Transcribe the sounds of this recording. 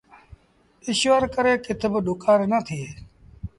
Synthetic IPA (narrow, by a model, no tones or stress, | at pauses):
ɪʃʋəɾkəɾeːkɪt̪ʰebəɗʊkaːɾnət̪ʰiː